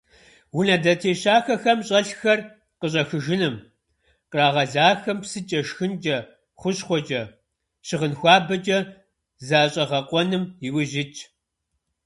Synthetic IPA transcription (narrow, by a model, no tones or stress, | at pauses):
wʊnɐdɐtʰeːɕaːxɐxɐmɕʼɐɬxɐr | qəɕ̬ʼɐxɨʒɪnɨm | qraːʁɐzaːxɐmpsɨt͡ʃʼɐʃxɨnd͡ʒʼɐ | χʷʊɕχʷɔt͡ʃʼɐ | ɕɪʁənxʷɑːbɐt͡ʃʼɐ | zaːɕʼɐʁɐqʷʼɔnɨmɪwɪʒɪt͡ʃʼʰ